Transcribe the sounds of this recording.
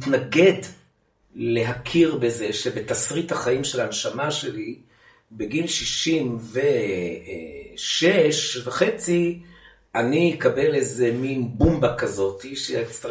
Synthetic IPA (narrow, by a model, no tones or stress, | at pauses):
t̪naɡe̞d | le̞ɦakʰiʁbe̞ze̞ʃebe̞t̪asʁithaχaimʃelanʃamaʃe̞li | beɡilʃiʃimve̞ | ʃeʃveχet͡si | aniikabe̞lezeminbumbakazo̞t̪iʃet͡st̪a